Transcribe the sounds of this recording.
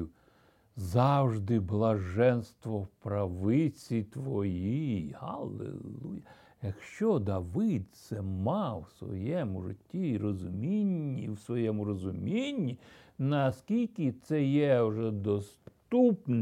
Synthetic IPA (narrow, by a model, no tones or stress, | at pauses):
zɑwʒd̪ɪblˠɐʒɛnst̪ʋɔpɾɐʋɪt͡sʲit̪ʋɔjihɐ̰lˠḛlˠujɐ | jɐkʃt͡ʃɔd̪ɐʋɪd̪t̪sɛmɑwsʋɔ̰jɛmʊʐɪ̰tʲːiirɔzʊmʲinʲːiwsʋɔjɛmʊɾɔzʊmʲinʲːinɐskʲilʲkʲit̪sɛjɛwʒɛd̪ɔst̪upn